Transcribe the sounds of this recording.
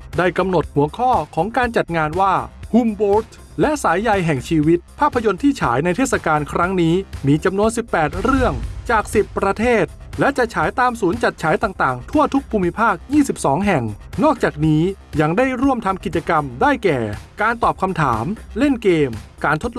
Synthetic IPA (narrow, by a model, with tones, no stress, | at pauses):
daː˥˩jka˧mno˨˩t̪̚hu˨˩˦ɐkʰɔː˥˩kʰɔː˩˦ŋkaː˧nt͡ɕa˨˩t̪̚ŋaː˧nwaː˥˩hu˧mboː˦˥t̪ | lɛ˦˥ʔsaː˩˦jːa˧jɦɛ˨˩ŋt͡ɕʰiː˧wi˦˥t̪̚pʰaː˥˩pʰːa˧jo˧nt̪ʰiː˥˩t͡ɕʰaː˩˦jna˧jt̪ʰeː˥˩t̚sa˧kaː˧nkʰɾa˦˥ŋniː˦˥miː˧t͡ɕa˧mnu˧ənsi˨˩pːɛː˨˩t̪̚ɾɯ˥˩əŋt͡ɕaː˨˩k̚si˨˩pːɾa˧t̪ʰeː˥˩t̪̚ | lɛ˦˥t͡ɕa˨˩ʔt͡ɕʰaː˩˦jt̪aː˧msuː˩˦nt͡ɕa˨˩t̪̚t͡ɕʰaː˩˦jt̪aː˨˩ŋt̪aː˨˩ŋt̪ʰu˥˩ət̪ʰu˦˥k̚pʰuː˧mːi˦˥pʰaː˥˩k̚jiː˥˩si˨˩p̚sɔː˩˦ŋɦɛ˨˩ŋ | nɔː˥˩k̚t͡ɕaː˨˩k̚niː˦˥ | ja˧ŋdaː˥˩jɾu˥˩əmt̪ʰa˧mki˨˩t̪̚t͡ɕa˧ka˧mdaː˥˩jkɛː˨˩kaː˧nt̪ɔː˨˩p̚kʰa˧mt̪ʰaː˩˦mle˥˩nkeː˧mkaː˧nt̪ʰo˦˥t̪̚l